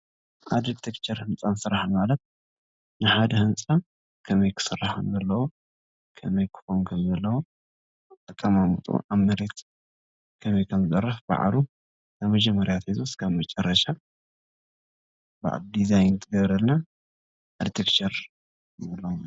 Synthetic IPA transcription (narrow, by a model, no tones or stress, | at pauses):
ʔad̪it̪ʰekt͡ʃʰɐɾhɨnt͡sʼansɨɾaħmalɐt̪̚ | nɨħad̪ɐhɨnt͡sʼa | kʰɐmɐjkʰɨ̥sɨrːaħɨnzɐlːɐwo | kʰɐmɐjkʰɨ̥xonukʰɐmzɐlːɐwo | t̪ʼɐkʼːɐmamṵt̪ʼṵʔaβmɐɾet̪ | kʰɐmɐjkʰɐmɨzʼɐrɐfb̥a̰ʕ̰lu | kʰaβmɐd͡ʒɛmːɐɾjat̪ʰezʰoskʰaβmɐt͡ʃʼɐrːɐʃa | ba̰ʕ̰ld̪izajnt̪ʰɨɡɐβɾɐlna | ad̪ɾit̪ʰekt͡ʃɐɾ | nɐlːɐwm